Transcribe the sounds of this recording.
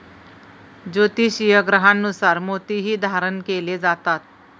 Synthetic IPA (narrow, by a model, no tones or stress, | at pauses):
d͡ʑot̪iːɕijəɡɾəɦanːusaɾmot̪iɦiːd̪ʱaɾənkeled͡zat̪at̪̚